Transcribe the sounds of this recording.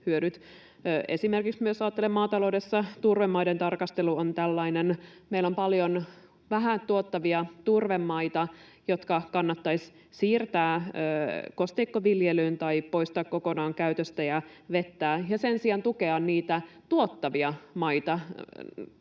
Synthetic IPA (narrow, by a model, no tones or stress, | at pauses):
hyøɾyt̪ː | ʔe̞simerkiksmyøsɑːt̪ːelemːɑːt̪ɑloude̞sːɑt̪urʋemːɑident̪ɑrkɑst̪eluont̪ælːɑinenmeilːompɑljon | ʋæɦæt̪uot̪ːɑʋiɑt̪urʋemːɑit̪ɑ | jo̞t̪kɑkɑnːɑt̪ːɑis | siːrt̪æːøːkost̪eikːoʋiljelyːnt̪ɑipo̞ist̪ɑːkkoko̞nɑːŋkæyt̪øst̪æjɑʋe̞t̪ːæːjɑse̞nsiɑnt̪ukeɑnniːt̪æt̪uot̪ːɑʋiɑmɑit̪ɑ